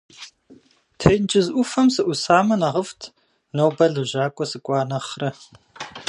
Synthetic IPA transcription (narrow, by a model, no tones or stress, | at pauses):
tʰejnt͡ʃʼɪzʔʷʊfɐmsɨʔʷʊsaːmɐnɐʁəftʰ | nowbɐɮɨʑaːkʷʼɔsɨkʷʼɑːnɐχrɐ